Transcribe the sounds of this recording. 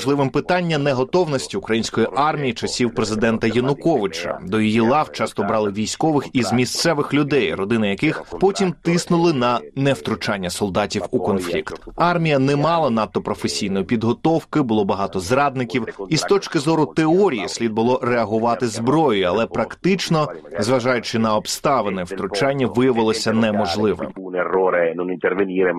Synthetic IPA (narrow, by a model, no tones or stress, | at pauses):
ʒlˠɪʋɪmpɪt̪ɑnʲːɐnɛɦɔt̪ɔwnɔsʲtʲiʊkɾɐjinʲsʲkɔjiʔɑrmʲijit͡ʃɐsʲiwpɾezɪd̪ɛnt̪ɐjɐnʊkɔʋɪt͡ʃɐ̰d̪ɔjɔjilˠɑwt͡ʃɑst̪ɔbɾɑlˠɪʋʲijsʲkɔʋɪxizmʲist̪sɛʋɪxlʲʊd̪ɛjrɔd̪ɪnɪjɐkɪxpɔtʲimt̪ɪsnʊlˠɪnɐnɛwt̪ɾʊt͡ʃɑnʲːɐsɔlˠd̪ɑtʲiwukɔnflʲḭkt̪ɑrmʲijɐnɛmɑlˠɐnat̪ːɔpɾɔfesʲijnɔjʊpʲid̪ɦɔt̪ɔwkɪbʊlˠɔbɐɦɑt̪ɔzɾɑd̪̚nɪkʲiwist̪ɔt͡ʃkɪzɔɾʊt̪eɔɾʲijisʲlʲid̪̚bʊlˠɔɾɛɐɦʊʋɑt̪ɪzbɾɔjʊjiɐlˠɛpɾɐkt̪ɪt͡ʃnɔzʋɐʒɑjʊt͡ʃɪnɐɔbst̪ɑʋenɛwt̪ɾʊt͡ʃɑnʲːɐʋɪjɐʋɪlˠɔsʲɐnɛmɔʒlˠɪʋɔ̰mnerːoːɾenonint̪ervenʲiːɾe